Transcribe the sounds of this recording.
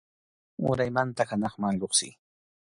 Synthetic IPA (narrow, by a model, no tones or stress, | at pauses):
ʊ̰ɾajmant̪axanɑχmaŋloχsɪ̰